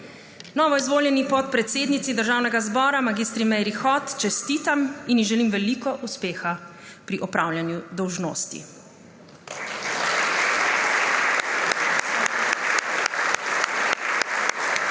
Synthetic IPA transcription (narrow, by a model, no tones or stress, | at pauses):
nɔːʋɔizʋoːljɛnipɔt̪̚pɾɛt̪seːd̪nit̪sid̪əɾʒaːwnɛɡazbɔːɾamaɡist̪ɾimɛjɾixɔt̪t͡ʃɛst̪iːt̪aminjiʒɛlimʋɛliːkɔʔuspeːxa | pɾiʔɔpɾawljanjud̪ɔwʒno̰ːst̪ḭ